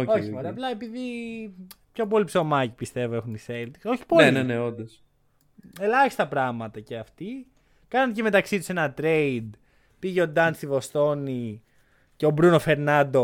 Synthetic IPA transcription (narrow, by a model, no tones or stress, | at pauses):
ooçoɾɐplɐepiði | pço̞p̬o̞lipso̞mɐcipist̪e̞voe̞xunise̞lt̪i̥so̞çi̥poleneneond̪ɐs | e̞lɐçist̪ɐpɾɐɣmɐt̪ɐceɐft̪i | kɐnɐncemet̪ɐksit̪u̥se̞nɐt̪ɾe̞id̪ | piʝeo̞d̪ɐnsivo̞st̪o̞ni | ceo̞bɾuno̞fe̞ɾnɐnd̪o̞